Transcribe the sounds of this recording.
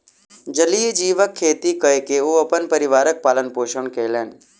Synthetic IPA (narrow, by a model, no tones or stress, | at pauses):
d͡ʒəliːd͡ʒiːʋəkʰːeːt̪ikəekeuːəpənpəɾɪʋaːɾək̚paːlənpoːʃəɳkeːleːn